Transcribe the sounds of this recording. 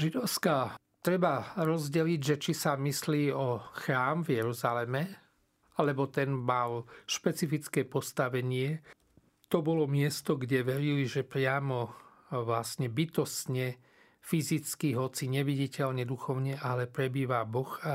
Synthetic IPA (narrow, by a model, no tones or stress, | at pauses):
ʒid̪ɔʊska | t̪ɾɛbaɾɔzɟɛliɟʒɛt͡ʃisamisliːɔxɾaːmvjɛɾuzalɛmɛ | alɛbɔt̪ɛnmalʃpɛt͡sifit͡skɛːpɔst̪aʋɛɲɪɛ | t̪ɔbɔlɔmɪɛst̪ɔɡɟɛʋɛɾiliʒɛpɾɪamɔ | ʋlasɲɛbit̪ɔst̪ɲɛ | fizit͡skiɦɔt͡siɲɛʋiɟicɛʎɲɛd̪uxɔʊɲɛʔalɛpɾɛbiːʋabɔxa